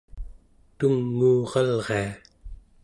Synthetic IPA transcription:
t̪uŋːuːʁɑlʁea

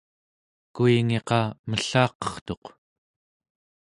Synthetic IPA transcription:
kuiŋe̞qɑməɬɑːqʌ̥χt̪o̞q

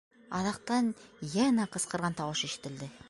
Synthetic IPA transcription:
ɑðɑq̚t̪ɑnjænæqɤ̆sqɤ̆ɾʁɑnt̪ɑwɤʃiʃɘ̥̆t̪ɘ̆ld̪ɘ

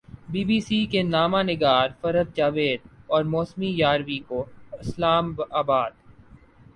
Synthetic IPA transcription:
biːbiːsikenaːmãnɪɡaːɾfɐɾəd̪̚d͡ʒaːʋeːd̪ɔːɾmoːsmijaːɾʋikoɪslaːmbaːbaːd̪

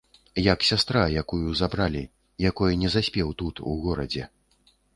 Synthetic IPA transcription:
jaksʲast̪ɾajakujuzabɾalʲi | jakɔjɛnʲɛzasʲpʲɛwt̪ut̪uɣɔɾɐ̰d͡zʲɛ

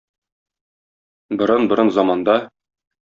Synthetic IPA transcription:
bɤ̆ɾɤnbɤ̆ɾɤnzɑmɑnd̪ɑ

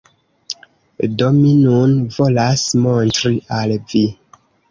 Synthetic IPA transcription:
do̞minunvo̞lasmontɾiʔalvi

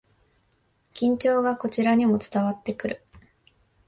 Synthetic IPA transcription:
kʲĩɲ̟t͡ɕo̞ːɡako̞t͡ɕiɾaɲ̟imo̞t͡sɨ̥t̪aβat̪ːe̞kɯ̟ɾɯ̟̰

